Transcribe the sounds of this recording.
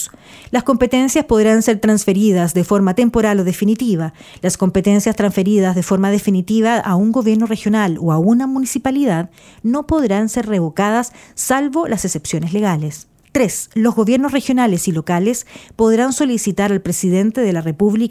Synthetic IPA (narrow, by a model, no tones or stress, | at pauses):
lasko̞mpet̪e̞nsjaspo̞ðɾanseɾt̪ɾansfeɾið̞asðefo̞ɾmat̪empo̞ɾaloðefinit̪iβa | lasko̞mpet̪e̞nsjast̪ɾansfe̞ɾiðazðefo̞ɾmað̞efinit̪iβaʔauŋɡo̞βje̞ɾnorexjo̞naloaunamunisipaliðað | no̞po̞ðɾanseɾreβo̞kaðasːalβo̞lʔasesepsjo̞nesleɣales | t̪ɾeslo̞zɣo̞βje̞ɾnos̬rexjo̞nalesilo̞kalespo̞ðɾanso̞lisit̪aɾalpɾesiðe̞nt̪eðelarepuβli